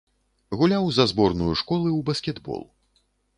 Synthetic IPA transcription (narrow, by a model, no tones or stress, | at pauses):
ɣulʲawzɐzbɔrnujuʂkɔlˠɨwbɐsʲkʲɛd̪bɔ̰lˠ